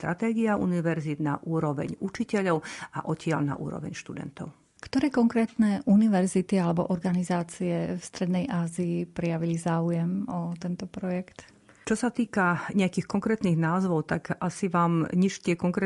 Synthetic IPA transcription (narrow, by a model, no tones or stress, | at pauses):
st̪ɾat̪ɛːɡiaʔṵniʋɛɾzid̪naʔuːɾɔʋɛ̰ɲut͡ʃicɛʎɔʊaʔɔcɪa̰ʎna̰ʔṵːɾɔ̰ʋɛ̰ɲʃt̪ud̪ɛ̰nt̪ɔ̰ʊ | kt̪ɔɾɛːkɔŋkɾɛːt̪nɛʔuniʋɛɾzit̪ialɛbɔ̰ʔɔɾɡanizaːt͡siɛfst̪ɾɛd̪nɛjʔaːziːpɾɛjaʋilizaːujɛmɔt̪ɛnt̪ɔpɾɔjɛkt̪ | t͡ʃɔsat̪iːkaɲɛakixkɔŋkɾɛːt̪niɣnaːzʋɔʊt̪akʔasiʋaːmɲiʃtɪɛkɔŋkɾɛː